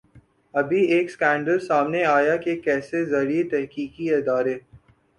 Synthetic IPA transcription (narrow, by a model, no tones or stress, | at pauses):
ɐbʱieːkskɛ̃ːɳɖəlsaːmneaːjakekɛːsezɐɾiet̪ɛɦkiːkiɪd̪aːɾe